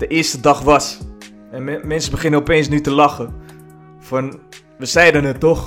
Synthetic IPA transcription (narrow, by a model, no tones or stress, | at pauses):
d̥əʔɪəstədɑχʋɑs | ɛnmɛnsəbəχɪnəɔpejnsnytəlɑχə | fɑn | ʋəsɛjdənətːɔχ